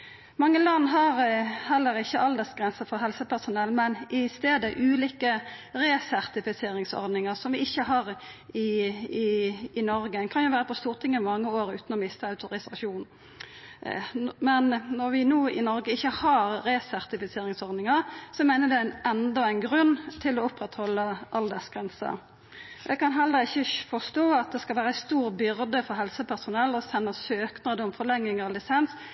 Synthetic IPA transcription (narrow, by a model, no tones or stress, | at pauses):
mɑŋːəlɑnːɦɑɾhɛlːəɾɪçːəʔɑld̪ɛsɡɾɛnsəfɔɾɦɛlsəpæʁsʊnɛlːmɛnɪst̪eːd̪əʔʉːliːkəʁeːsæʁt̪ɪfɪseːɾɪŋsɔ̰ɾd̪nɪŋəʁsɔmʋɪɪçːəɦɑʁ | ɪɪɪnɔɾɡəkʰɑnjʊʋæːɾəpʰɔst̪uːʁt̪ʰɪŋːəmɑŋːəoːɾʉ̰ːt̪nɔmɪst̪əɑʉt̪ʰʊɾɪsɑʃuːn | mɛnnɔɾʋɪnuːɪnɔɾɡəɪçːəhɑɾːɛsæʁt̪ɪfɪseːɾɪŋsɔɾd̪nɪŋəʁsɔmæɪnəd̪ɛæɪnɛnd̪ɔæɪnɡɾʉnt̪ʰɪlɔʊpʁɛt̪hɔlːəʔɑld̪ɛsɡ̥ʁɛnsə̰ | d̪ɛkʰɑnɦɛlːəɾɪçːəfɔst̪oːɑt̪̚d̪ɛskɑlʋæːɾəæɪst̪uːʁbʏɾd̪əfɔɾɦɛlsəpʰæʁsʊnɛlːɔsɛnːəsøːknɑd̪əʊmfɔʁlɛŋːɪŋəʁlɪsɛns